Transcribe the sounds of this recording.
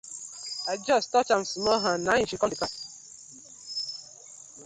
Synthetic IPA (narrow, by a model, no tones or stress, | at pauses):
ad͡ʒɔstɔt͡ʃam̩sumɔɦanaɲĩʃikɔdika